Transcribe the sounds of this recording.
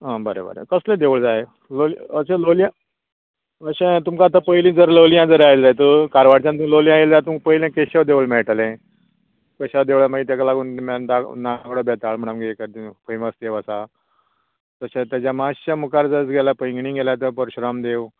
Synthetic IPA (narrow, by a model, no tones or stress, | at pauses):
ɦãbəɾḛbə̰ɾḛkəslẽd̪eʋɭd͡zaje | loləɕẽloljã | əɕẽt̪umkaːt̪apəjlĩːd͡zəɾləljãd͡zəɾajld͡zajt̪̬əkaɾʋaɽt͡ɕãnt̪əloljãjeld͡zat̪umk̚pəilẽkeɕaʋd̪eʋɭmɛɭʈəlẽ | kəɕad̪eʋɭamaɡit̪jakalaɡunmad̪anakɽobɛt̪aɭm̤əɽ̃amɡekəɾt̪ipəməst̪jeʋəsa | t̪əɕãt̪jat͡ɕamaɕt͡ɕamukaɾd͡zət͡sɡelapəjŋɡɳĩːŋɡʱelat̪̬əpəɾɕɾamd̪eʋ